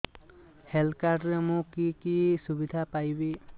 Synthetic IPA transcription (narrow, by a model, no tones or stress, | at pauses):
helkaɾɾemũkikisubid̪ʱapajbi